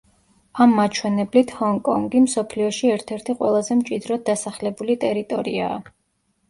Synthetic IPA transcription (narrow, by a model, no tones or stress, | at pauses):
amːat͡ʃʰwɛnɛblit̪ʰhɔŋkʼɔ̰ŋɡimsɔpʰliɔʃiɛɾt̪ʰɛɾt̪ʰiqʼwɛ̰lˠazɛmt͡ʃʼid̪ɾɔd̪̚d̪asaχlɛbulit̪ʼɛɾit̪ʼɔɾḭa̰ː